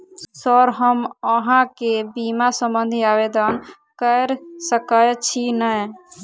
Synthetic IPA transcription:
sɔɾɦəməɦãkebimasəmbənd̪ʱiabed̪ən | kəɾsəkəjt͡ʃʰinəj

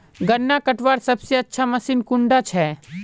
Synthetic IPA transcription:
ɡənːakɐʈʋaːɾsɐbseɐtːʃʰamɐsiːnkʊɳɖat͡ʃʰɛː

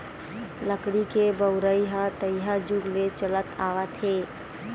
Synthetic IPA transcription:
ləkɽikebəʊɾəiɦət̪əiɦad͡ʒuɡlet͡ʃələt̪aːʋat̪ʰeː

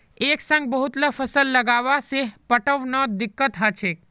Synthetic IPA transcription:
eksə̃ŋɡ̚bəɦut̪ləpʰəsəlːəɡaʋaseɦpəʈəʋnəd̪ikːət̪ɦət͡ʃʰek̚

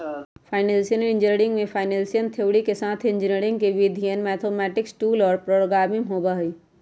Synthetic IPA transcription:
pʰaːɪneːlsijənəlɪ̃nd͡ʒɪneɾɪ̃ŋɡmẽpʰaːɪnẽːlsijənt̪ʰeːʋɽikesaːt̪ʰɪ̃nd͡ʒɪneɾɪ̃ŋɡkeʋid̪ʱijənmɛːt̪ʰoːmɛːʈɪksʈuːlɔːɾpɾoːɽɡaːmɪmɦoːbaɦiː

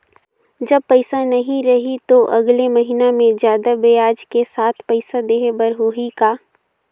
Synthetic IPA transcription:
d͡ʒɐb̚pɐɪsanɐɦĩɾɐɦit̪oʔɐɡlemɐɦinamẽd͡ʒjaːd̪abejaːd͡ʒkesaːt̪ʰpəɪsad̪eːɦebəɾɦoɦikaː

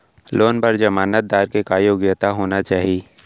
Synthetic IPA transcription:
loːnpəɾd͡ʒɐmaːnət̪̚d̪aːɾkekaːjoːɡjət̪aɦoːnat͡ʃaːɦi

